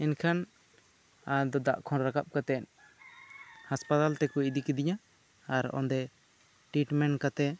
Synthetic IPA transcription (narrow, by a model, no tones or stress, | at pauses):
ɛnkʰan | ad̪ɔd̪a̰ʔkʰɔ̃ɾɾakap̚kat̪ɛn | haspat̪alt̪ɛkɔid̪ikɛd̪iɲã | aɾɔ̰nd̪ɛ | ʈɾiʈmɛnkat̪ɛ